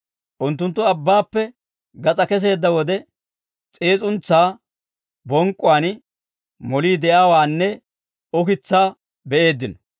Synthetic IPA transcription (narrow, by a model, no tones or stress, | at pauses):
ʔʊnt̪ːʊnt̪ːʊɐbːaːpːɛ | ɡɐt͡sʼɐkɛs̬e̞ːd̪ːɐwɔd̪ɛ | t͡sʼeːt͡sʼʊnt͡sːaː | bɔŋkʼːʊwaːn | mɔliːd̪ɛjaːwaːnːɛ | ʊkɪt͡sːaː | bɛʔe̞ːd̪ːɪnɔ